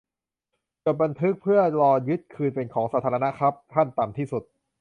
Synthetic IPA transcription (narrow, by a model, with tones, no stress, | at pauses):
t͡ɕo˨˩t̪̚ba˧nt̪ʰɯ˦˥k̚pʰɯ˥˩ɐɾɔː˧jɯ˦˥t̪̚kʰɯː˧npe˧nkʰɔː˩˦ŋsaː˧˥t̪ʰaː˩˧ɾa˧na˦˥kʰa˦˥p̚t̪ʰa˥˩nt̪a˨˩mt̪ʰiː˥˩su˨˩t̪̚